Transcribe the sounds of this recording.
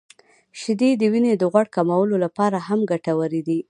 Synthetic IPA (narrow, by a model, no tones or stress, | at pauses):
ʃɪd̪id̪əwined̪əɣwaɽkamawəlolapɑɾahamɡaʈawəɾed̪i